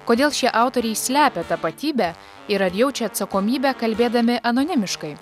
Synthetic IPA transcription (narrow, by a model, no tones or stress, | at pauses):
koːd̪ʲeːlˠʃʲiɛʔɑˑʊt̪oːɾʲɛɪsʲlʲæːpʲɛt̪ɐpɐt̪ʲiːbʲæ | ɪɾɐɾʲjɛʊt͡ʃʲɛɐt̪sɐkoːmʲiːbʲækɐlʲbʲeːd̪ɐmʲɪʔɐnoːnʲɪmʲɪʃkɐɪ